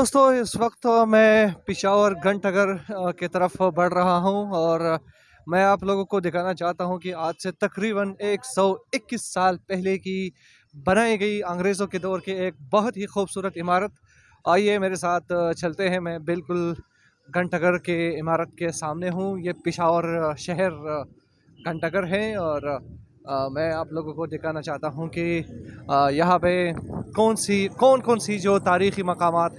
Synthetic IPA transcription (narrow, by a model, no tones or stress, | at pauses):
d̪oːst̪õɪsʋɐqt̪mɛ̃ːpɪʃaːʋəɾɡɐ̃ɳʈɐɡəɾket̪ɐɾəfbɐɽ̤ɾɐɦaɦũɔːɾ | mɛ̃ːaːploːɡõkod̪ɪkʰaːnat͡ʃaːɦt̪aɦũkiaːd͡ʒset̪ɐkɾiːbəneːksɔːɪkːɪsːaːlpɛɦleki | bɐnaːiɡɐiɐ̃ːŋɡɾeːzõked̪ɔːɾkeeːk̚bɐɦʊt̪ɦixuːbsuːɾət̪ɪmaːɾət̪ | aːjemeːɾesaːt̪ʰt͡ʃɐlt̪eɦɛ̃mɛ̃ːbɪlkʊl | ɡɐ̃ɳʈəɡəɾkeɪmaːɾət̪̚kesaːmneɦũjepɪʃaːʋəɾʃɛɦɛɾ | ɡɐ̃ɳʈəɡəɾɦɛ̃ɔːɾ | mɛ̃ːaploːɡõkod̪ɪkʰaːnat͡ʃaːɦt̪aɦũke | jɐɦãpekɔːnsikɔːnkɔːnsid͡ʒoːt̪aːɾiːximɐqaːmaːt̪